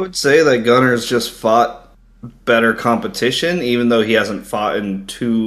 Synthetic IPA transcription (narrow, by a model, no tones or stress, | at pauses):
wɨd̥seɪðɨt̚ɡ̥ʌñə˞zd͡ʒʌstfɔt̚ | b̥ɛɾə˞kʰɑ̃mpɨtʰɪʃɨ̃nivɨ̃n̩ðoʊihæzə̃n̩tfɔɾɪ̃ntʰʉ